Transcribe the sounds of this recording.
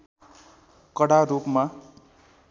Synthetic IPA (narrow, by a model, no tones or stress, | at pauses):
kʌɽaɾupma